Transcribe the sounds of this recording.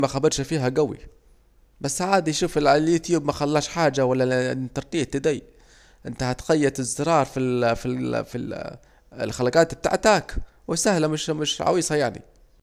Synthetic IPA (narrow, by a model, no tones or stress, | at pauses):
maxabɑɾˤʃfiːɦaɡawḭ | basːʕaːd̪ijʃuːfɪlʕaljuːt̪juːbmaxalːaːʃħaːd͡ʒawalːant̪ɑɾˤt̪ˤiːt̪ːɪd̪aːj | ʔɪnt̪ahat̪xajːad̪ɪzːɨɾˤɑːɾˤfififḭ | ɪlxalaɡaːt̪ɪb̚t̪ːa̰ʕt̪aːk | wɪsahlamɪʃmɪʃʕɑ̰wiːsˤɑjaʕnḭ